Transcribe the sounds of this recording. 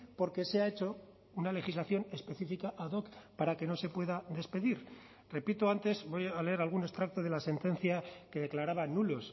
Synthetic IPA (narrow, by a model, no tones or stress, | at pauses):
po̞ɾke̞seae̞t͡ʃo̞ | unale̞xizlaθjo̞ne̞spe̞θifikaʔaðo̞kpaɾake̞no̞se̞pwe̞ðaðe̞spe̞ðiɾ | re̞pit̪oant̪e̞zbo̞jaleeɾalɣune̞st̪ɾak̚t̪o̞ð̞e̞lase̞nt̪e̞nθjake̞ðe̞klaɾaβanulo̞s